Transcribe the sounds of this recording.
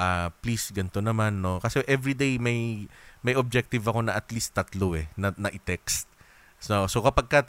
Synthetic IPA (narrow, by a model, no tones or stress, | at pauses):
ʔaplisɡɐnt̪o̞nɐmanːo̞kɐsɛʔɛvɹid̪ejmɐjmɐjʔob̚d͡ʒɛk̚t̪ɪvɐko̞nɐʔɐt̪list̪ːɐt̪loʔɛnɐnɐʔɪt̪ɛkst̪̚ | osokɐpɐɡ̚kat̪̚